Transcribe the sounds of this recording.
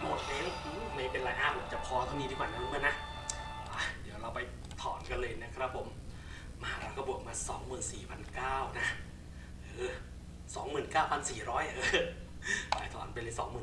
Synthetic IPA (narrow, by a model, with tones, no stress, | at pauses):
mo˨˩t̪̚ʔe˧˥ŋʔːma˧˩pe˧nla˨˦jʔaː˧˩pʰo˨˩˦t͡ɕa˨˩pʰɔː˧k̪ɔː˥˩mi˧t̪i˧kwaː˨˩na˧luː˧˦˥mɯː˧˥˦na˦˥ʔ | ʔa˧˩di˨˩˦wɾa˧wpa˧j | t̪ʰɔː˨˩˦nka˧nlɤː˧jna˦˥kʰɾa˦˥pʰːo˨˩˦mː | a˧˩˦ɾa˧kʰa˧bu˨˩ək̚maː˧sɔː˩˦ŋmɯː˨˩nsiː˨˩pʰa˧nkaː˥˩wna˦˥ | ʔɤː˧˦ | sɔː˩˦ŋmɯː˨˩nkaː˥˩wpʰa˧nsiː˨˩ɾɔː˦˥jʔʔɤː˧ | fa̰ː˨˦jt̪ʰɔ̰ː˩˦npa˧lɤː˧jsɔ̰ː˩˦ŋmɯː˨˩